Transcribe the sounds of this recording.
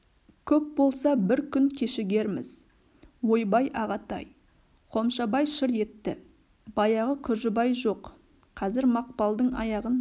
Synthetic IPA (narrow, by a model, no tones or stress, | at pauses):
kʲʰɵp̚bo̞lˠsɑbɪɾkʲʰʏŋkʲʰe̞ʃɪɡʲe̞ɾmɪz̥ | wo̞jbɑjʔɑʁɑt̪ɑ̰j | qʰo̞mʃɑbɑjʃɪɾe̞t̪ːɪ | bɑjɑʁəkʲʰʏʒɪbɑjʒo̞q | qʰɑzɪɾmɑq̚pɑlˠd̪əɴɑ̰jɑʁən